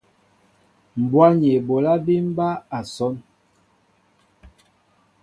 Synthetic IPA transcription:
m̩˨bwa˦ɲe˨bo˨la˦bi˦m̩˦ba˦a˨sɔ˦n

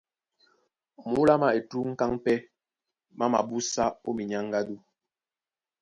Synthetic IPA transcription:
mu˨˦la˦ma˨e˨tu˦ŋ̩˦ka˦ŋpɛ˦ | ma˦ma̰˨bu˦sa˦o˦mi˨ɲa˦ŋ˦ɡa˦du˦

